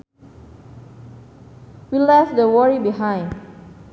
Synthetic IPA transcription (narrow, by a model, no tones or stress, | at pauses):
wilɛfdəwɔɹibiɦãj̃n